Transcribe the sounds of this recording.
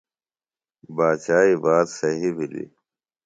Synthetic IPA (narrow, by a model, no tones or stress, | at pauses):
baːt͡ɕaːiːbaːt̪sɐɦibʱilḭ